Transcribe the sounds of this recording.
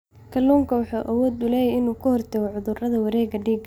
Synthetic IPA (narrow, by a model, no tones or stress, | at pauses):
kʰɐluːŋkʰɐwɑħuːʔɐwɔːd̪ʊlɛːjɛɪnuːkʰʊhɔrt̪ʰɐɣɔʕʊðʊrɐðɐwɐɾɛːɡɐɖiːɡ